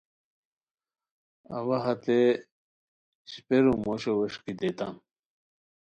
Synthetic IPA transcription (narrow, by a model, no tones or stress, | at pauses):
ɐ̰wɐɦɐt̪e | ɕi̥peɾumoɕowɐɕkid̪et̪an